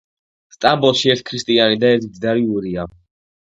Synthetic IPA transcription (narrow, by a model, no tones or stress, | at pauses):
st̪ʼambɔlˠʃiɛɾt̪̚ʰkʰɾist̪ʼianid̪aɛɾt̪ʰid̪zd̪aɾiuɾia